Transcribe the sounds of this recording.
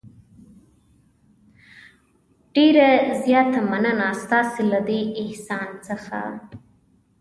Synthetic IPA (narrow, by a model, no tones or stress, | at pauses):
ɖ̥eɾazjɑːt̪amanənast̪ɑselad̪eɪhsɑːnsəxa̰